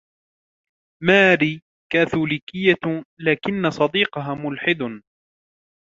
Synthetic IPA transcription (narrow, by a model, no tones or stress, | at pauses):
maːɾiː | kaːθuːliːkɪjːalaːkɪnːasˤɑd̪iːqɑɦaːmʊlħɪd̪